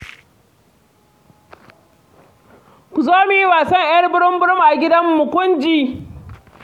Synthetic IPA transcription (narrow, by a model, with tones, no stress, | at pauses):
kʷu˨zoː˦mu˨ji˦waː˨sɐ˦ŋʔjɐ˦rbʊ˦ɽɪ˦mbʊ˦ɽʊ˦mʔa˨ɡʲɪ˦dɐ˦mːʊ˨kʷʊ˦nd͡ʒiː˦